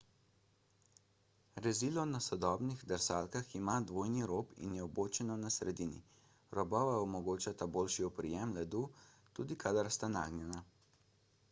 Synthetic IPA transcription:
ɾɛzilɔnasɔd̪ɔːbniɣd̪ɛɾsaːlkaximad̪ʋoːjniɾoːpḭnjɛɔboːt͡ʃɛnɔnasɾɛd̪iːnḭ | ɾɔbɔʋaɔmɔɡoːt͡ʃat̪aboːlʃiɔpɾijɛmlɛd̪u | t̪ud̪ikad̪aɾst̪ana̰ːɡnjɛna

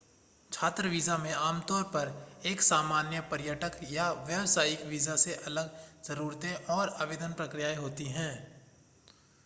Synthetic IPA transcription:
t͡ʃʰaːt̪ɾəʋiːzamẽaːmt̪ɔːɾpɐɾeːksaːmaːnjəpɐɾjəʈəkjaʋjəʋsaːjɪkʋiːzaseʔɐləɡz̥ɐɾuːɾt̪ẽʔɔːɾaːʋeːd̪ənpɾəkɾɪjaːeɦoːt̪iɦɛ̃ː

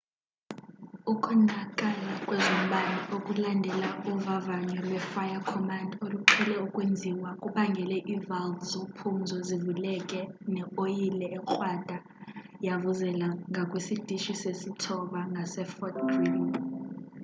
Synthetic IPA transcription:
ukʼunakʼalakʼwɛzom̩ɓaniokʼulandʱɛlauvavaɲɔlwɛfajakʰɔmandʱoluǃʰilɛukʼwend͡zʱiwakʼuɓaŋɡʱɛlɛʔivalvzopʰunzʱɔzivulɛkʼɛnɛojilɛɛǃʼwad̥ʱa | javuzɛlaŋɡʱakʼwesid̥ʱiʃisesitʰɔɓaŋɡʱasɛfɔt̚bri

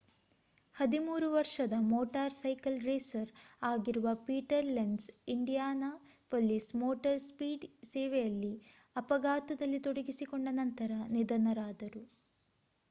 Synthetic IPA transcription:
hɐd̪imuːɾuʋɐɾʂɐd̪ɐmoːʈaːɾsɐjkɐlɾeːsɐɾaːɡiɾuʋɐpiːʈɐɾleɳɖsiɳɖijaːnɐ | polismoːʈɐɾspiːɖsɛːʋejɐlːi | ɐpɐɡaːt̪ɐd̪ɐlːit̪oɽɐɡisikoɳɖɐnɐnt̪ɐɾɐnid̪ɐnɐɾaːd̪ɐɾu

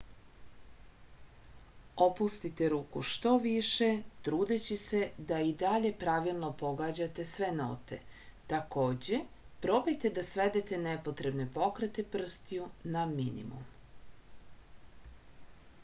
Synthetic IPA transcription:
o̞pust̪it̪e̞ɾuːkuʃt̪o̞ʋiʃe̞t̪ɾuːd̪et͡ɕise̞d̪aid̪aʎe̞pɾaʋilˠno̞po̞ɡaːd͡ʑat̪e̞sʋe̞no̰t̪e̞̰t̪ako̞ːd͡ʑe̞ | pɾo̞bejt̪e̞d̪asʋe̞d̪et̪enepo̞t̪ɾe̞bne̞po̞kɾet̪epr̩st̪ijunaminḭmṵm

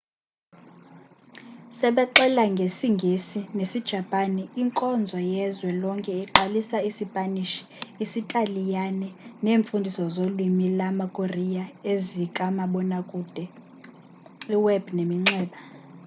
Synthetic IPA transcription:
sɛɓɛǃɛlaŋɡʱesiŋɡʱesinesid̥ʒ̥ʱapʼaniiŋkʼɔnd͡zʱwajɛzwɛlɔŋkʼɛiǁalisaisipʼaniʃi̥ː | sitʼalijanɛneːɱfundʱisɔzolwimilamakʼorijaezikʼamaɓɔnakʼuːd̥ʱɛ | iwɛb̥nemiŋ͡ǀɛːɓa

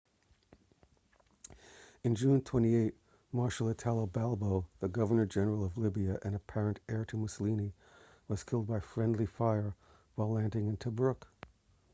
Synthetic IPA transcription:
ɨ̃nd͡ʒʉ̃ntʰw̥ɛ̃ɾ̃ieɪt̚ | mɑɹʃl̩ˠɨtʰælˠoʊbælˠboʊðɨɡʌvə˞nə˞d͡ʒɛnə˞l̩ˠʌvlɪbiɨʔɨ̃nɨpʰɛɹɨ̃ntɛɹɾɨmuslĩni | wʌz̥kʰɪlˠd̚baɪfɹɛ̃ndˡlifaɪə˞ | waɪlæ̃ndɪ̃ŋɨ̃ntʰɨbɹʊk

